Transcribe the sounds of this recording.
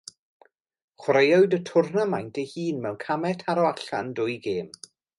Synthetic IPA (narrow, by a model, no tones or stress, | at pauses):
χwrejɔɨjdətʰʊrnəmajntʰejhiːnmɛwnkʰamɛtʰaɾɔaɬa̰ndʊjɡeːm